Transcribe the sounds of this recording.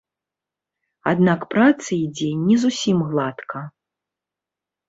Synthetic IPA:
a̰d̪nakpɾat̪sɐid͡zʲɛnʲɛzusʲimɣlˠat̪kʰɐ

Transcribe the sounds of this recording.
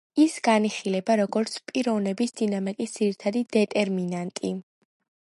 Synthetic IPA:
isɡaniχilɛbaɾɔɡɔɾt̪sʰpʼiɾɔvnɛbisd̪inamikʼisd̪z̥iɾit̪ʰad̪id̪ɛt̪ʼɛɾminant̪ʼi

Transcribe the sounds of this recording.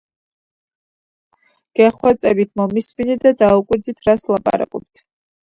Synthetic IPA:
ɡ̥ɛχwɛt̪sʼɛbit̪ʰmɔmisminɛd̪ad̪aukʼwiɾdzit̪ʰɾaslˠapʼa̰ɾa̰kʼɔp̚t̪ʰ

